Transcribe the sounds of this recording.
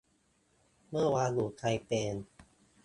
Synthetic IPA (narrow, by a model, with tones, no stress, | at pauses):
mɯ˥˩ɐwaː˧luː˨˩k̪ʰa˧jpeː˧n